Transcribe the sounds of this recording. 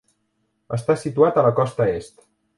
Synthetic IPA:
əst̪asit̪uat̪ələkɔst̪əest̪

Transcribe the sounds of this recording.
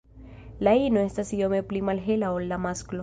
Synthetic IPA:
lainoest̪asijomeplimalɦelaolːamasklo

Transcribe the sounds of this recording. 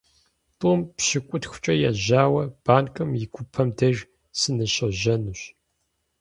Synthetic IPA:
tʼuːmpɕɪkʷʼʊtxʷʊ̥t͡ʃʼɐjaʑaːwɐb̥aːnkʼɨmjɪɡʷʊpʰɐmdɐr | sɨnɨɕɐʒɐnuɕ

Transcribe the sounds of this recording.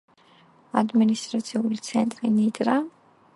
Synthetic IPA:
ad̪minist̪ʼɾat̪sʰiulit̪sʰɛnt̪ʼɾinid̪ʼɾa

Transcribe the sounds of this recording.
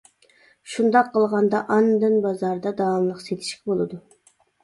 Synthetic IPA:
ʃund̪ɑqʰːəlˠʁɑnd̪ɑʔɑnd̪ɨnbɑzɑɾd̪ɑd̪ɑːnlˠəqset̪ʰi̥ʃkʲibolˠɨd̪u

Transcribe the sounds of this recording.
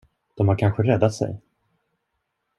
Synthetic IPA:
d̪̥ɔmhaɾkʰanɧəɾɛd̪ːat̪sɛ̰j

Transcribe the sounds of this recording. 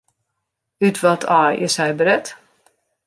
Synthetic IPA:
ytʰʋɔtʰaːɪ̰shɛjbəɾɛt

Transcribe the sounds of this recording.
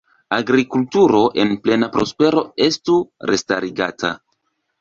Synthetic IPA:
aɡɾikultuɾo̞ʔe̞nple̞napɾo̞spe̞ɾo̞e̞stuɾe̞staɾiɡatʰa̰

